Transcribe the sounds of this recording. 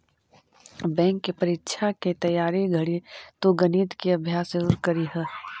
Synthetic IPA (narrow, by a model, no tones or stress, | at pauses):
bɛ̃ːŋkːepɐɾɪtːʃʰaket̪ɐjaːɾiɡʱɐɽit̪oɡɐniːt̪keɐbʱjaːsəɾuːɾkɐɾiɦɛː